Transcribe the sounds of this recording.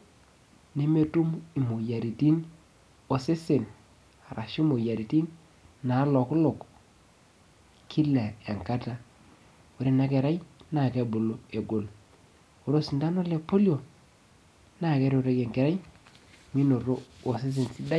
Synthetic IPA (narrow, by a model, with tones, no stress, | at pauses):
ne˦me˦tu˦mi˨mo˨ja˨ɾi˨ti˦n | o˨se˦se˨n | a˨ɾʔa˨ʃi˦mo˨ja˨ɾi˨ti˦n | na˨˦lɔ˨klo˨k | kʰi˦la˨e˨ŋka˦ta˦ | wo˨ɾe˦na˦ke˨ɾa˦jna˨ke˦bo˨lo˦e˨ɡo˨l | o˨ɾo˦si˨nda˦no˦le˨po˦ljo˨ | na˦˨ke˦ɾe˦o˨ɾe˦ke˨ŋke˨ɾa˦jmi˦no˨ɾo˦o˨s̬i˦s̬e˨nsi˦da˦